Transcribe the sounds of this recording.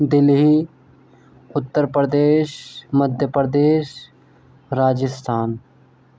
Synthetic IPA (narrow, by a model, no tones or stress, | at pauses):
d̪ɪlɦi | ʊt̪ːəɾpɾəd̪eːʃməd̪ʱjəpɾd̪eːʃ | ɾaːd͡ʒɪst̪ʰaːn